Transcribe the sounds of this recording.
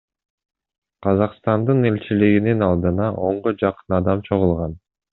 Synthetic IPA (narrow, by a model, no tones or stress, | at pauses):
qʰɑzɑqst̪ɑnd̪ɯne̞lʲt͡ʃiliɡininɑlˠd̪ɯnɑʔo̞ɴʁod͡ʒɑqɯ̥nɑd̪ɑmt͡ʃʰo̞ʁulˠʁɑn